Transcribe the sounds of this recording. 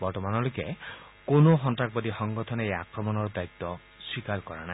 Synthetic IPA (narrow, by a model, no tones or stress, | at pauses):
bɔɾtɔmanɔloke | konoɦɔntak̚bɔd̪ixɔŋɡɔt̪ʰɔnejakɾɔmɔnɔɾd̪ajt̪ːɔ | swikaɾkɔɾana